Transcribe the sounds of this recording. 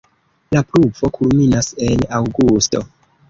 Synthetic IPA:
lapluvo̞kʰulminase̞nawɡusto̞

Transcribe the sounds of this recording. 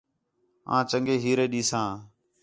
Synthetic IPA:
ã̰ːt͡ʃəŋɡeːɦiːɾeːɗiːsãː

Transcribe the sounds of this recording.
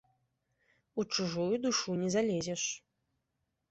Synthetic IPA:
ut͡ʂuʐujud̪uʂunʲɛzalʲɛzʲɛʂ

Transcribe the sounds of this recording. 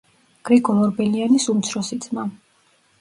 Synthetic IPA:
ɡ̥ɾiɡʰɔlɔɾbɛlianisumt̪sʰɾɔsid̪z̥ma

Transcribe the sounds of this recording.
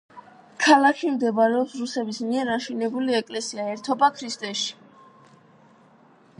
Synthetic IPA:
kʰalakʰimd̪ɛbaɾɛɔpsɾusɛbismiɛɾaʃinɛbuliɛkʼlɛsiaɛɾt̪ʰɔbakʰɾist̪ʼɛʃi̥

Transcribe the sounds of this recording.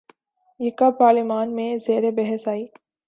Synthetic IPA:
jɪkapaːɾlɪmaːnmẽzeːɾebɛɦəsaːiː

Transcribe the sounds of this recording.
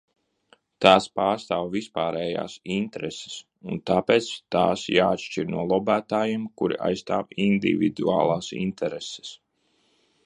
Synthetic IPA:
t̪aːspaːɾst̪aːwvispaːɾɛːja̰ːsint̪ɾɛse̥s | unt̪aːpɛːt̪st̪aːsjaːt̪ʃt͡ʃiɾnuɔlˠɔbæːt̪aːjeːmkuɾḭʔa̰jst̪aːwind̪ḭvḭd̪ua̰ːlˠaːsḭnt̪ʰɛɾese̥s

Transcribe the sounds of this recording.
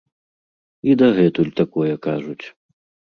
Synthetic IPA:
id̪ɐɣɛt̪ulʲt̪akɔjɐkaʐut͡sʲ

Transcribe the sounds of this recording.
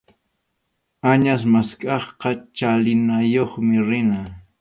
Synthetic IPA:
aɲasmaskʼɑχqɑt͡ʃalɪnajoχmɪɾɪna

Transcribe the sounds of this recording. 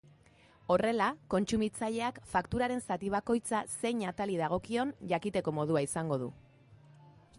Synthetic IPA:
o̞re̞lako̞nt͡sumit͡saʎe̞akfakt̪uɾaɾe̞nsat̪iβ̞ako̞jt͡sase̞jɲat̪alið̞aɣ̞o̞kio̞nʝakit̪e̞ko̞mo̞ð̞uaisaŋɡo̞ð̞ṵ

